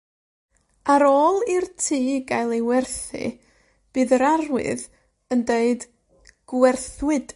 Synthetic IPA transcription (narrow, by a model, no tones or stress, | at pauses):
aɾoːlˠirtʰiːɡajlˠewɛrθɨ̰ | b̥ɨːðəɾaɾwɪ̰ð | əndeɨd | ɡ̥wɛrθwɨd̥